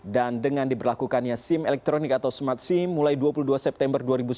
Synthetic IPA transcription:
dandəŋandibərlakukanjasimɛlɛk̚t̪ɾonikat̪awsmat̪̚simːulajduapuluduasɛp̚t̪ɛmbərduaɾibus

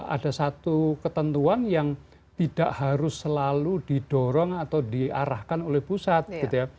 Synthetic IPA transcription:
ʔa̰dasat̪ukət̪ənt̪uanjaŋ | t̪id̥aʔhaɾʊsːəlaludid̥ɔɾɔŋat̪awdiaɾahkanolɛhpusat̪̚ɡ̥it̪uja

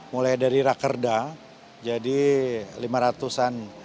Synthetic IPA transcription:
mulajdaɾiɾakərda | d͡ʒadilimaɾat̪usan

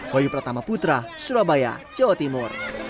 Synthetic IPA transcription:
wajupərt̪amaput̪ɾasuɾabaja̰t͡ʃɔt̪imʊr

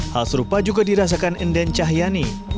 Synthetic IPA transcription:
halsəɾupad͡ʒuɡadiɾas̬akanəndɛnt͡ʃaɦjani

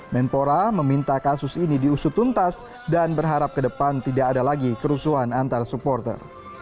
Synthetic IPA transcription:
mɛnpoɾaməmint̪akasʊsinidiusʊt̪unt̪as | danbərɦaɾap̚kədəpant̪idaːdalaɡikəɾusuɦanant̪arsupɔrt̪ə̰r

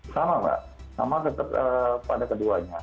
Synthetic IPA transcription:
samaba̰ʔ | sa̰masət̪ət̪əpa̰dakəduaɲa

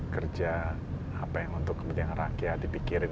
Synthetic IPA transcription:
kərd͡ʒa | apajaŋunt̪ʊkːəbudianra̰kiadipikiɾɪn

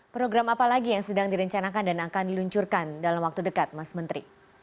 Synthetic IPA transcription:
pɾoɡɾamapalaɡijaŋsədaŋdiɾəɲt͡ʃanakandanakaniluɲt͡ʃurkandalamwak̚t̪udəkat̪̚masmənt̪ɾḭ

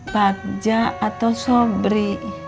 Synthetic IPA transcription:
bak̚d͡ʒaat̪asɔbɾi

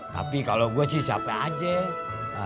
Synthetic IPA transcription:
t̪a̰pikaloɡuasɪhsa̰paad͡ʒɛ

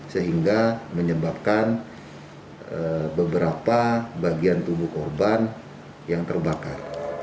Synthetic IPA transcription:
səɦiŋɡaməɲəbap̚kan | əbəbəɾapabaɡiant̪ubuhkɔrban | jaŋt̪ərbakar

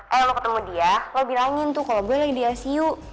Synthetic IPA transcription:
ʔajalokət̪əmudialəbilaŋɪnt̪ʊhkaloboɛlaɡidiasiu

